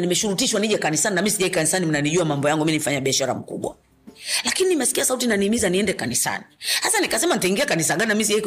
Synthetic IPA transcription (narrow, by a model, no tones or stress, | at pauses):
nimɛʃuɾutiʃwaniʄɛkanisaninamisiʄaikanisanim̩naniʄuamambɔjaŋɡumiinifaɲaɓiaʃaɾa̰m̩kṵɓwa̰ | lakininimɛsi̥kiasautinaniːmizaniɛndɛkanisa̰nihasanikasɛmanitaiŋɡiakanisaɠaninamisiʄai